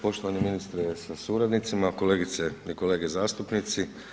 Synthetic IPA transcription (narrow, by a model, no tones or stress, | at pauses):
po̞ʃt̪oʋaniminist̪ɾesasuɾad̪nit̪simako̞le̞ːɡit̪seiko̞le̞ːɡezaːst̪upnit̪si